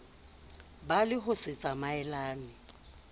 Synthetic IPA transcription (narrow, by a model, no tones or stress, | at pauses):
balɪɦʊsɪt͡sʼamaɛlaːnɪ